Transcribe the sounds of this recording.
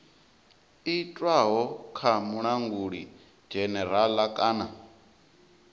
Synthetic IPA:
itʼwaɦɔkʰamuɺaŋɡuɺi̥ | d͡ʒɛnɛɾalakʼaːna

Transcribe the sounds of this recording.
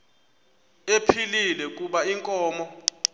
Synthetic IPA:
epʰililɛkʼuɓaiŋkʼɔːmɔ

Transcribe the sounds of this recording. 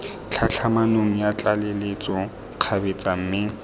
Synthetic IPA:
t͡ɬʰat͡ɬʰamanoŋ̩jat͡ɬʼalɪlet͡sʼɔ | q͡χʰabet͡sʼam̩mɪŋ̩

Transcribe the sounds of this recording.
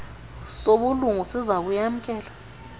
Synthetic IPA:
soɓuluŋusizak̬ujam̩kʼɛːlḁ

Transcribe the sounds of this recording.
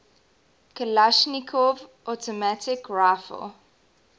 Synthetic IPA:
kʰəlaʃnikʰɔvʔɔtɔmatɪkɹaɪfə̰lˠ

